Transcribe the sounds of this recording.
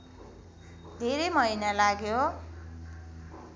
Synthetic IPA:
d̪ʱeɾʌjmʌinalaɡjo

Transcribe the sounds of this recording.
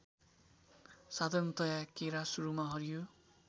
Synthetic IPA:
sad̪ʱʌnt̪ʌjakeɾasuɾumaɦʌɾijo

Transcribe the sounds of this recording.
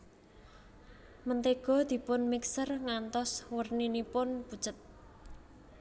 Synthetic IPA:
mənt̪eɡ̥ɔ̤d̪̥i̤pʊnmiksərŋant̪ɔswərninipʊnpud̥ʒ̥ə̤t̪̚

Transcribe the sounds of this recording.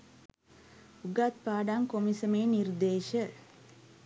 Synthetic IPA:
uɡat̪̚paːɖaŋkomisəmeːnird̪eːʃə

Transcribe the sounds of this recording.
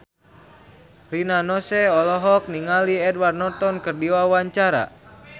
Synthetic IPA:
rinanɔsɛɔlɔɦɔk̚niŋaliɛdwardnɔt̪ɔnkɨrdiwawaɲt͡ʃaɾa̰

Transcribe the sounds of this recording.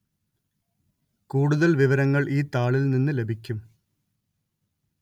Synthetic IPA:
kuːɽuðɐlʋiʋɐɾɐŋːɐɭʔiːt̪aːɭilninːɨle̞bʱikʲːum

